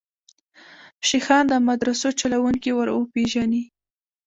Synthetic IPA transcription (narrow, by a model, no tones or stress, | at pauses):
ʃixɑnd̪əmad̪ɾasot͡ʃalawuŋkiwəɾwəpeʒani